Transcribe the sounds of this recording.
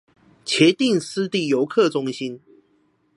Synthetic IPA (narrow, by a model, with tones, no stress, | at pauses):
t͡ɕʰjɛ˨˦t̪i˥˨ŋsɹ̩˦t̪i˥˨jo˨˧˦ʊkʰɤ˥˨ʈ͡ʂʊ˥˦ŋɕi˦˥n